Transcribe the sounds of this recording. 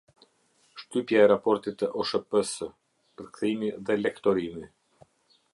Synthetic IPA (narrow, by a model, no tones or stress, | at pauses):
ʃt̪ypjaɛɾapɔɾt̪it̪əʔɔʃəpəsə | pəɾkθimiðɛlɛkt̪ɔɾimi